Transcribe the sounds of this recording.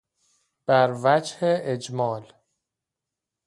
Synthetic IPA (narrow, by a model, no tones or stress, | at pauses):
b̥æɾvæd͡ʒheʔed͡ʒmɒːl